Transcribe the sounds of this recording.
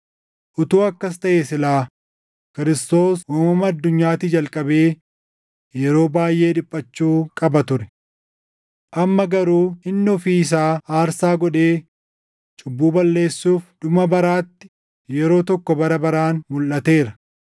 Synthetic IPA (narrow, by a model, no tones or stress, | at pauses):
ʔʊt̪uːɐkːɐst̪ɐʔeːsɪlaː | kɪɾɪst̪o̞ːswɔmɔmɐɐd̪ːʊɲːaːt̪iːd͡ʒɐlkʼɐbe̞ː | jɛɾo̞ːbaːjʔe̞ːᶑɪpʼːɐt͡ʃːuːkʼɐbɐt̪ʊɾɛ | ʔɐmːɐɡɐɾuːɪnːɔfiːɪs̬aːaːɾsaːɡɔᶑeː | t͡ʃʼʊbːuːbɐlːe̞ːsːuːfd̪̥ʊmɐbɐɾaːt̪ːɪ̥ | jɛɾo̞ːt̪ɔkːɔbɐɾɐbɐɾaːnmʊlʔɐt̪e̞ːɾɐ